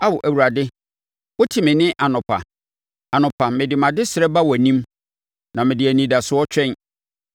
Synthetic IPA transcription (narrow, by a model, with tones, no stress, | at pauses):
a˦wʊ˨ʔæ˨wu˨ɾa˨dɪ˦ | wʊ˦tʰɪ˨mɪ̃˨nɪ̃˦ʔa˨nʊ̃˨pʰa̰˨ | a˨nʊ̃˨pʰa˨mɪ̃˨dɪ˨mã˨dɪ˦sɪ˨ɾɛ˦ba˦wɔ˨nĩ˦m | nã˨mɪ̃˨dɪ˨æ˨nĩ˨da˨sʊ˦ɔ˦t͡ɕᶣɛ̃˦n